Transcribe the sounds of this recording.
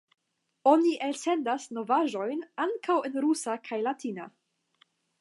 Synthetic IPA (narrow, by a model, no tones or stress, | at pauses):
o̞niʔelse̞ndasno̞vaʒo̞jnaŋkʰawe̞nɾusakʰajlatina̰